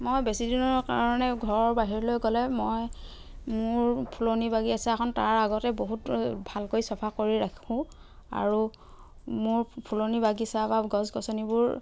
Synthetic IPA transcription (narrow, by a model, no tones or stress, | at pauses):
mojbesidinɔɹkaɹɔnɛɡʱɔɹɔɹbaɦiɹɔlojɡɔlɛmoj | mʊɹpʰulonibaɡiasɛakʰɔntaɹaɡɔtɛboɦutbʱalkojsɔpʰakoɹiɹakʰũ | a̰ɹu | mʊɹpʰulonibaɡisabaɡɔzɡɔsɔnibʊɹ